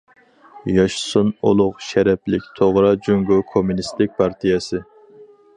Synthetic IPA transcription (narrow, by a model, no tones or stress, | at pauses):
jɑʃsuno̰lˠʊqʃɛɾɛplɪkʲt̪ʰoʁɾɑd͡ʒuŋɡokʰomunist̪ɪk̚ʲpʰɑɾt̪ʰijɛsɨ